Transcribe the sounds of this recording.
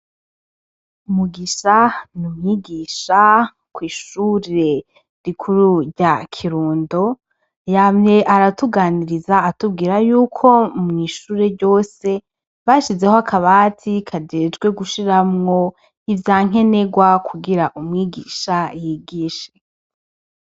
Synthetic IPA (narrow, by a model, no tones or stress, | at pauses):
umuɡiːʃanumŋiːɡiʃa | kwiːʃuɾe̞ | ɾikʰuɾuɾɟakʰiɾuːndo̞ | jamɲe̞ʔaɾatuɡaːniɾizaːtub̚ɡiːɾajuːkʰo̞mŋiːʃuːɾe̞ɾɟo̞ːse̞ | βaʃize̞hoakʰaβaːtʰikʰad͡ʒed͡ʒɡwe̞ɡuʃiɾamŋo̞ | ivjaːŋ̥e̞ne̞ɡwakʰuɡiɾaʔumŋiːɡiʃajiːɡiːʃe̥